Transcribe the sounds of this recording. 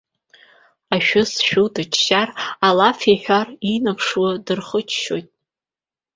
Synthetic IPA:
aʃᶣʊsʃᶣudat͡ʃʰʃaralafeħʷᶣarinapʰʂwadɨrχət͡ʃʰʃojtʼ

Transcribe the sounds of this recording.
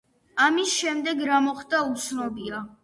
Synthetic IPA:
amisʃɛmd̪ɛɡɾamɔχd̪aut̪sʰnɔbia

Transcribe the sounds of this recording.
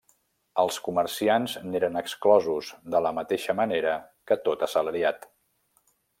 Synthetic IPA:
əlˠskuməɾsianzneɾənəksklɔzuzd̪ələmət̪eʃəməneɾəkət̪ot̪əsələɾiat̪

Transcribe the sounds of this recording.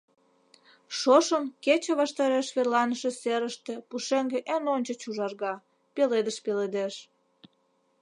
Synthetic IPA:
ʃoʃəmket͡ɕĕβɑʃt̪ɑɾeʃβerlɑnəʃĕseɾəʃt̪epuʃeŋɡeʔenonʲt͡ɕət͡ɕuʒɑrɣɑ | peled̪əʃpeled̪eʃ

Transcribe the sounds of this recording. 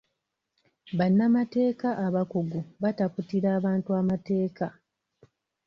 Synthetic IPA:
βanːamate̞ːkaʔːβakoɡuβataputiɾaːβaːntuamate̞ːka

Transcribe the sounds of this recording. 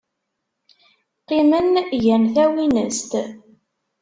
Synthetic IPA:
qːimənʝænθæwinəst̪

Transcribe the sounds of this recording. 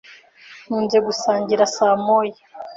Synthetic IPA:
nuːnɟeɡusaːɲɟiɾasaːmoːje

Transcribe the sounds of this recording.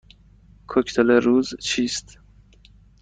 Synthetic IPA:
kʰocʰt̪ʰeleɾuːzt͡ʃʰiːst̪

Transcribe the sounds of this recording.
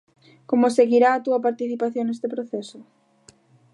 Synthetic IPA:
komoseɣiɾaːt̪uɐpaɾt̪iθipaθjoŋnest̪epɾoθesʊ

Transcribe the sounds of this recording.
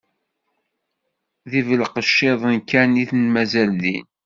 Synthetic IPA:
ðivəlqəʃːeðˤənkæniθnmæzælðḭn

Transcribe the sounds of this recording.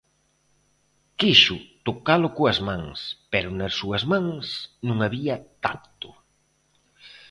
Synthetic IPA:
kiʃʊt̪okalʊkoɐzmãŋspɛɾʊnɐsuɐzmãŋsnũŋaβiɐt̪ap̚t̪ʊ

